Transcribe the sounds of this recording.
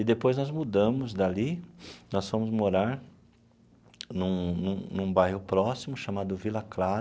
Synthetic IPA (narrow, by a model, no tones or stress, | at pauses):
ɪd̪epojznɔzmud̪ɐ̃mʊzd̪alinɔsfɐ̃mʊzmoɾaɾ | nũnũnũbajhʊpɾɔsimʊʃamad̪ʊvilɐklaɾ